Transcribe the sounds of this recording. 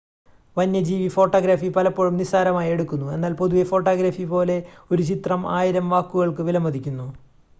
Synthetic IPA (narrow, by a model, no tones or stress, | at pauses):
ʋɐnːjɐd͡ʑiːʋifo̞ːʈːoːɡɾaːfipɐlɐpːoɻumnisaːɾɐmaːje̞ɽukːunːue̞nːaːlpo̞ðuʋefo̞ːʈːaːɡɾaːfipo̞ːle̞o̞ɾut͡ɕit̪rɐmaːjiɾɐmʋaːkːuɣɐɭkɨʋilɐmːɐd̪ʱikʲːunːu